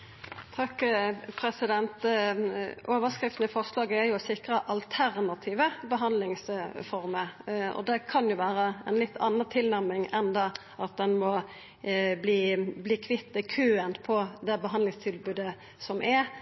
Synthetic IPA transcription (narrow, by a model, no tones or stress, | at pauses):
t̪ʰɑkːpʰɾɛsɪd̪ɛnt̪ | ʔoːʋəskɾɪft̪nɪfɔɾslɑːɡəɛɾjʊsɪkɾəʔɑlt̪ʰæɾnɑt̪ʰiːʋəbəɦɑnd̪lɪŋsfɔɾməɔ̰d̪ɛkʰɑnjʊʋæːɾəɛnlɪt̪ːʰɑ̰nəʁət̪ʰɪlnæɾmɪŋɛnd̪ɑː | ʔɑt̪̚d̪ɛnmɔ | bliːbliːkʰʋɪt̪ːəkʰøːənpʰɔd̪ɛbəɦɑnd̪lɪŋst̪ʰɪlbʉːd̪ə | sɔmʔɛ